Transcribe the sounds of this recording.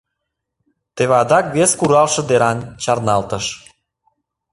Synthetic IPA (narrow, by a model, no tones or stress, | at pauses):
t̪eβɑd̪ɑkβeskuɾɑlʃɤ̆d̪eɾɑnt͡ɕɑrnɑlt̪əʃ